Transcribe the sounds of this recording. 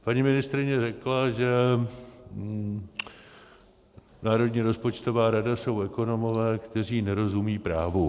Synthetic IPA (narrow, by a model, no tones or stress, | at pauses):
paɲimɪnɪst̪ɾɪɲɛrɛklaʒɛ | naːɾo̞dɲiːɾo̞spo̞t͡ʃt̪o̞vaːɾadaso̞wɛko̞no̞mo̞vɛːkt̪ɛr̝iːnɛɾo̞zumiːpɾaːvu